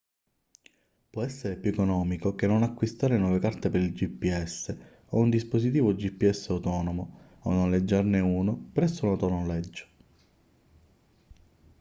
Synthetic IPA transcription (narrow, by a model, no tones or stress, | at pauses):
pwɔɛsːeɾepjuekonɔːmikokenːonakːwist̪aːɾenwɔːvekart̪epeɾild͡ʒipːiɛsːe | ound̪isposit̪iːvod͡ʒipːiɛsːeawt̪ɔːnomo | onːonled͡ʒːarneuːnopɾɛsonot̪ɔnonlɛd͡ʒːo̥